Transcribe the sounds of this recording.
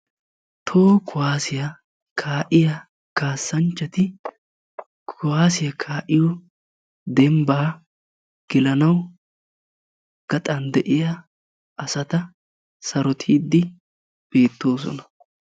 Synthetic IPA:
t̪ʰo̞ːkʊwaːsɪjɐ | kʰaːʔɪjɐ | kaːsːɐnt͡ʃːɐt̪ɪ | kʰʊwaːsɪjɐkʰaːʔɪjɔ | d̪ɛmbaː | ɡ̥ɪlɐnɐw | ɡ̥ɐt̪ʼɐnd̪ɛʔɪjɐ | ʔɐsɐt̪ɐ | sɐɾɔt̪ʰiːd̪ːɪ | b̥e̞ːt̪ːo̞ːs̬ɔ̰nɐ

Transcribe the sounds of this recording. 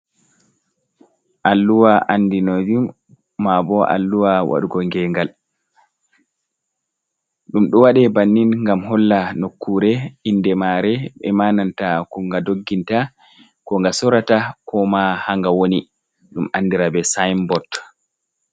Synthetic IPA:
ʔalːuwaʔanːdinod͡ʒumː | abɔʔa̰lːuwawa̰ɗuɡɔŋɡɛːŋɡal | ɗumɗɔwaɗɛbanːinŋɡamɦɔlːanokːuːɾɛindɛmaːɾɛɓɛ̰manantakɔŋɡadoɡːinta | kɔŋɡasɔɾatakɔmahaŋɡawoni | ɗumanːdiɾabɛsajmbɔt

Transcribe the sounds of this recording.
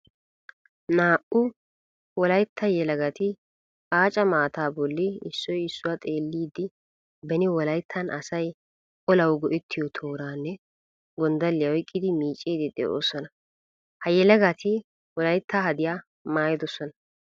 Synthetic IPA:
naːʔʊ | wɔlɐjt̪ʰːɐjɛlɐɡɐt̪ɪ | aːt͡ʃʼɐmaːt̪aːbɔlːɪɪsːɔjɪsːʊwat̪ʼe̞ːlːiːd̪ːɪ | bɛnɪwɔlɐjt̪ʰːɐnʔɐsɐj | ɔlɐwɡɔʔɪt̪ʰːɪjɔt̪ʰo̞ːɾaːnːɛ | ɡɔnd̪ɐlːɪjɐwɔjkʼːɪd̪ɪmiːt͡ʃʼiːd̪ɪd̪ḛʔo̰ːsɔnɐ | hɐjɛlɐɡɐt̪ʰɪ | wɔlɐjt̪ʰːaːɦɐd̪ɪja | maːjɪd̪ɔsɔnɐ

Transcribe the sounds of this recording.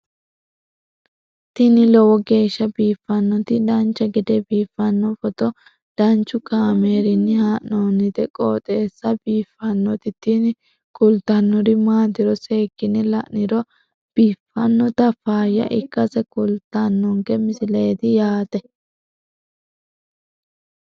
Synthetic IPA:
t̪ɪnɪlɔwɔɡe̞ːʃːɐbiːfːɐnːɔt̪ɪd̪ɐnt͡ʃːɐɡɪd̪ɛbiːfːɐnːɔfɔt̪ɔ | d̪̥ɐnt͡ʃːʊkaːmeːɾɪnːɪhaːʔnoːnɪd̪ɛkʼo̰ːt̪ʼe̞ːsːɐbiːfːɐnːɔt̪ɪt̪ɪnɪ | kʼʊlt̪ːɐnːɔɾɪmaːd̪ɪɾɔseːkːɪnɛlɐʔnɪɾɔ | b̥iːfːɐnːɔt̪ɐfaːjɐ̰ʔɪkːɐsɛkʊlt̪ːɐnːɔŋkɛmɪsɪleːt̪ɪjaːt̪ɛ

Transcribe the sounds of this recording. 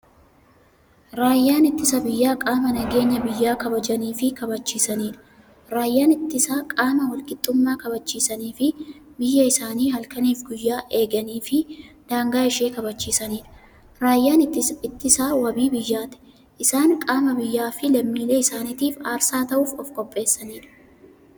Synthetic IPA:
ɾaːjːaːnɪt̪ːɪsɐbɪjːaːkʼaːmɐnɐɡe̞ːɲːɐbɪjːaːkɐbɐd͡ʒɐniːfɪkɐbɐt͡ʃːiːsɐniːᶑɐ̥ | ɾaːjːaːnɪt̪ːɪsaːkʼaːmɐwɐlkɪt̪ʼːʊmːaːkɐbɐt͡ʃːiːsɐniːfɪbɪjːɐɪsaːniːhɐlkɐniːfɡʊjːaːʔe̞ːɡɐniːfɪd̪̥aːŋɡaːɪʃe̞ːkɐbɐt͡ʃːiːsɐniːᶑɐ̥ | ɾaːjːaːnɪɪɪt̪ːɪsaːwɐbiːbɪjːaːt̪ɛ̥ | ʔɪsaːŋkʼaːmɐbɪjːaːfɪlɐmːiːle̞ːɪsaːnɪt̪iːfaːɾsaːt̪ɐʔuːfɔfkʼɔpʼːe̞ːsːɐniːᶑɐ̥

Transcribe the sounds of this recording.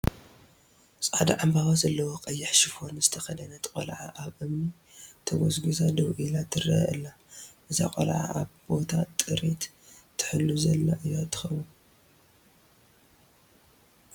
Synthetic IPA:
sʼʕad̪aʕambawazɐlːɐwoqʼɐjːɪħʃifonzɨt̪ʰɐxɐdɐnɐt̪kʼo̰lʕa̰ʔaβʔɨmni | t̪ʰɐwɔsɡizad̪ɐwʔilat̪ʰːɨrɐ̰ʔɨlːa | ʔɨza̰kʼo̰lʕa̰ʔaβbo̞t̪ʰat̪ʼɨɾit̪ | t̪ʰːɨ̥ħɨlːuzɐlːaʔɨjot̪ʰɨ̥xɐmu

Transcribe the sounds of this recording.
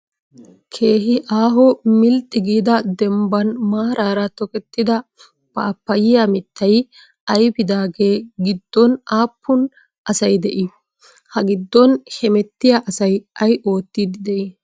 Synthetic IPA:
kʰe̞ːɦɪʔaːɦɔmɪlt̪ʼːɪɡiːd̪ɐd̪ɛmbɐnmaːɾaːɾɐt̪ɔkɛt̪ːɪd̪ɐ | b̥aːpːɐjɪjamɪt̪ːɐj | ɐjbɪd̪aːɡe̞ːɡɪd̪ːɔnaːpʰːʊn | ʔɐsɐjd̪ɛʔɪ | hɐɡɪd̪ːɔnhɛmɛt̪ːɪjaʔɐsɐjɐjʔo̞ːt̪ːid̪ɪd̪ɛʔɪ

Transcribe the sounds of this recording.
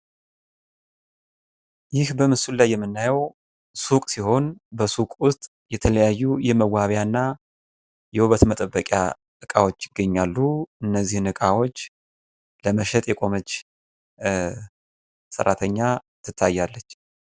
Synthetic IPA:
jɪhbəmɨsulajːɛmːɨnːajəw | sukʼsiho̞nbəsukʼwʊst̪ʼ | jɛt̪ʰələjajːujɛməwaβjanːa | jɛhuβət̪mət̪ʼəbːəkʼja̰ | t̪ɨkʼawo̞t͡ʃːɪɡːəɲːalːuɨnːəzːihnɨkʼawo̞t͡ʃː | ləməʃɛt̪ʼjɛkʼo̞mət͡ʃː | sə̰ɾːa̰t̪ʰəɲːat̪ʰːɨt̪ʰːajːalːət͡ʃː

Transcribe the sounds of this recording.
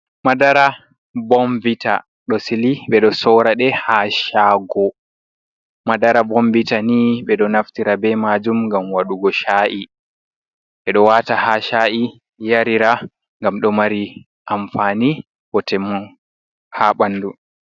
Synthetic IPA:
madaɾa | bɔmbita̰ | ɗɔsiliɓɛɗɔsɔɾaɗɛhaʃaɡɔ | madaɾabombitaniɓɛɗɔnaftiɾabɛmad͡ʒumŋɡamwaɗuɡɔʃaːʔi | ɓɛɗɔwaːtahaːʃaːʔi | jaɾiɾa | ŋɡamɗɔmaɾi | ʔamfaːni | ɓɔtɛmːu | haɓandu

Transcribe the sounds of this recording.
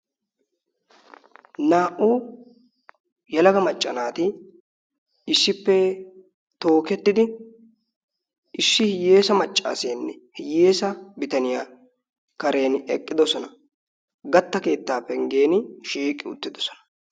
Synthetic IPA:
naːʔu | jɛlɐɡɐmɐt͡ʃʼːɐnaːt̪ɪ | ɪsːɪpːɛ | t̪o̞ːkɛt̪ːɪd̪ɪ | ɪsːɪhɪjːeːsɐmɐt͡ʃʼːa̰ːseːnːɛhɪjeːsɐbɪt̪ɐnɪjaː | kɐɾe̞ːnɛkʼːɪd̪ɔsɔnɐ | ɡɐt̪ːɐke̞ːt̪ːaːpːɛŋɡeːnʃiːkʼːɪʊ̰t̪ːɪd̪ɔsɔ̥nɐ̥

